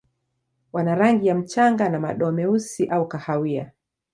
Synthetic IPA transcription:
wanaɾaŋɡijam̩t͡ʃaŋɡanamaɗɔmɛusiʔaukahawia̰

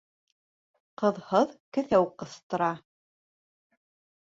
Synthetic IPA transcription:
qɤ̆ðhɤðkɘ̆θæwqɤ̆θt̪ɤ̆ɾɑ

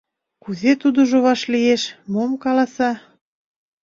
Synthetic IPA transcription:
kuzet̪ud̪oʒoβɑʃlieʃmomkɑlɑsɑ

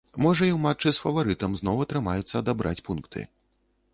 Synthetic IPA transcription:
mɔʐɐiwmat͡ʂːɨsfɐvaɾɨt̪ɐmznɔwɐt̪ɾɨmajut̪sːɐːd̪abɾʔa̰t͡sʲpunkt̪ʰɨ̰

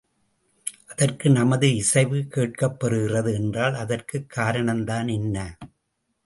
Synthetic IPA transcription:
ʔɐðɐrkɯnɐmɐðɯɪsɐɪʋɯkeːʈ̚kɐpːɐɾɯɣɪrɐðɯɛndraːlɐðɐrkɯkːaːɾɐɳɐmd̪aːnɛnːɐ

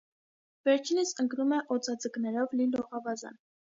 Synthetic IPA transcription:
vɛɾt͡ʃʰinəsəŋknumɛʔɔt͡sɑd͡zəknɛɾɔvlilɔʁɑvɑzɑ̰n

